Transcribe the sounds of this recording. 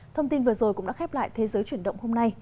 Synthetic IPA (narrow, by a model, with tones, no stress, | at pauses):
t̪ʰə˧wŋ͡mt̪i˧nvɨ˨˩əzo˨˩jkʊ˧˥ŋ͡mɗa̰ː˧˥xɛ˦˥p̚la̰ː˧˨jt̪ʰe˨˦zəː˨˦jt͡ɕwi˧˩ənɗə̰˧˨wŋ͡mho˧mna˧j